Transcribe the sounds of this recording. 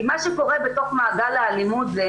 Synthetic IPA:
maʃɛko̞ʁɛbeto̞χmaːɡalealimutzɛ

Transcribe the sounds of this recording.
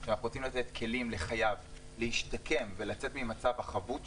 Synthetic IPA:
ʃanaχuʁot͡simlat̪et̪kʰe̞limle̞χajav | lehiʃtakʰe̞mvelat͡se̞t̪mimat͡savhaχavut

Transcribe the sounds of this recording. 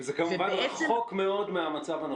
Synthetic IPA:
zekamuvanχokmeo̞dmeamat͡savhano

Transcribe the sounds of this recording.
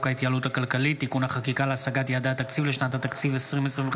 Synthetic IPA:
kait̪jaluthakalkalit̪ːikunaχakikaleasaɡatjaːd̪at̪akt͡sivleʃnat̪hat̪akt͡sivesʁimesʁev

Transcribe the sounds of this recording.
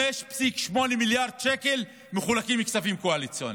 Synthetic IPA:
eʃpsikʃmo̞nimiljaʁd̪̚ʃekel | meχulakimikt͡savimkoalit͡sjoni

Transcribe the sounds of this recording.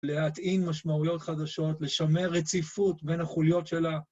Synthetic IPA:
le̞at̪inmaʃmaujo̞t̪χad̪aʃo̞tle̞ʃame̞ʁet͡sifut̪be̞nhaχuljo̞tʃe̞la

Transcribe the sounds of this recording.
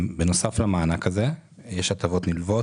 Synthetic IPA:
beno̞saflamaːnakaze̞jeʃat̪avo̞t̪nilvo̞

